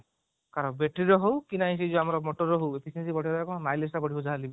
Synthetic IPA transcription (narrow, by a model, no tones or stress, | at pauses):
kaɾɔ̃beʈɾiɾɔɦowkinaɦĩs̬ed͡ʒuamɔɾɔmoʈɔɾɔɦowepʰisensipɔʈʰibɔd͡ʒakɔɔ̃majlesʈapɔʈʰibɔd͡ʒaalibi